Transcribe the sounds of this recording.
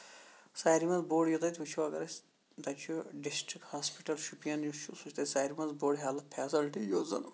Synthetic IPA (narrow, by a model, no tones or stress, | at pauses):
saːɾimɐnzboːɖjot̪ɐt̪ʰʲut͡ʃʰuɐɡɐ̰ɾɐsʲ | d̪ɐt͡ʃʰuɖisʈɾikʈhaːspiʈɐlʃupijɐnjut͡ʃʰusut͡ʃʰt̪ɐsaːjɾimɐnzboːɖɦaːlɐpʰɛːsilʈijozɐ̰n